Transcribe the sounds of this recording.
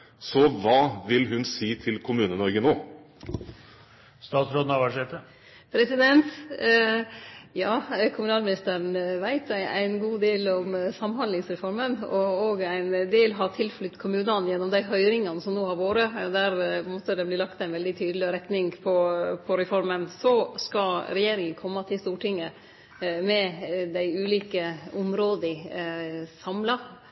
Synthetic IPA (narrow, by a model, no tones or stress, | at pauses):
sɔʋɑːʋɪlɦʉnsiːt̪ʰɪlkʰʊmʉːnənɔɾɡənoː | st̪ɑːt̪sɾoːd̪n̩ɑʋɑʂeːt̪ə | pʰɾɛsɪd̪ɛnt̪ | jɑːkʰʊmʉnɑːlmɪnɪst̪əɾənʋæɪt̪æɪæ̰ɪnɡuːd̪eːlɔmsɑmːhɑnd̪lɪŋsɾɛfɔɾmənɔoːɡæɪnd̪eːlɦɑːt̪ʰɪlflʉt̪ːkʰʊmʉːnɑnjɛnːɔmd̪æɪɦœʏɾɪŋɑnsɔmnoːɑɾʋoːɾəd̪æɾmɔt̪ːəd̪ɛbliːlɑkt̪æɪnʋɛld̪ɪt̪ʰyːd̪əlɪɾɛt̪nɪŋpʰɔpʰɔɾɛfɔɾmənsɔskɑlɾɛjeːɾɪŋənkʰɔmːɑt̪ʰɪlst̪uːʈɪŋːə | mɛd̪æɪʉːliːkəʊmɾoːd̪ɪ | sɑmlɑ